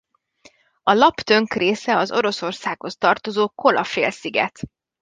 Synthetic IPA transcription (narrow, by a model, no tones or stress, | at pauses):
ɒlɒpt̪ø̞ŋkreːsɛɒzo̞ɾo̞so̞rsaːkho̞st̪ɒrt̪o̞zoːko̞lɒfeːlsiɡɛ̰t̪